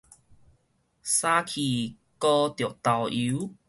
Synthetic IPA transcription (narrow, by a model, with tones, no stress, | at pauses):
sa˦kʰi˨˩ | kɔ˦t̪jo˨˩k̚t̪a˨˩wʔi˨˦